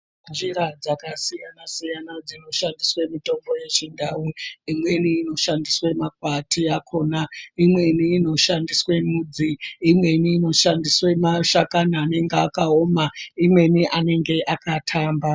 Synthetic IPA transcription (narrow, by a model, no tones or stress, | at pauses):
nd͡ʒiɾad͡zakasijanasijanad͡zino̞ʃandiswe̞mito̞mbo̞je̞ʐindʱawuimwe̞niːno̞ʃandiswe̞makwatʰiakʰo̞ːnaimwe̞niːno̞ʃandiswe̞mud͡ziːmwe̞niːno̞ʃandiswe̞maʃakanaːne̞ŋɡeakao̞maimwe̞niʔane̞ŋɡe̞ʔakatʰaːmba